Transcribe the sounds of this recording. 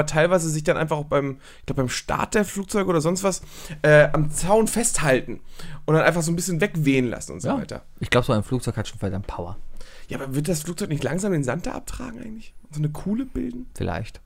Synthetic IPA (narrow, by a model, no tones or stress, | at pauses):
ɐtʰaɪlvaɪzəzɪçd̥anʔa̰ɪnfaχaʊxb̥aɪm | ɪç̥klaʊbəbaɪmʃta̰ɐt̚d̥eːɐfluːk̚t͡sɔʏɡəːdɐzɔnstv̥asʔɛːʔamt͡saʊnfɛsthaltn̩ʔʊntdanʔaɪfaχz̥oːnbɪsçənvɛkveːənla̰sn̩ʔʊ̰ntzova̰ɪtɐ̰ | ɪçɡ̥laʊbəzoːaɪnfluːk̚t͡sɔʏkhatʃoːnfɛɐdamt̚pʰaʊɐ̰jaːʔːbɐvɪɐt̚d̥asfluk̚t͡sɔʏknɪçtlaŋzaːmdeːnzantd̥a̰ʔa̰p̚tʁ̥a̰ːɡŋ̩ʔaɪŋ̩tlɪçʔʊntz̥oːnəkʰuːləb̥ɪ̰ldn̩fɪla̰ɪçt